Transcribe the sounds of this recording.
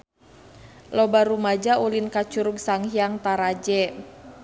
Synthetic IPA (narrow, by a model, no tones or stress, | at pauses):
lɔbaɾumad͡ʒaʔulinkat͡ʃuɾuɡsaŋhiaŋt̪aɾad͡ʒɛ